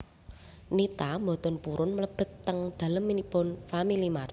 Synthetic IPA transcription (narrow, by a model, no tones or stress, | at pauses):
nit̪ambo̤t̪ɔnpuɾʊnmələb̥ə̤t̪ːəŋd̪̥a̤ləmːinibɔnfamilimar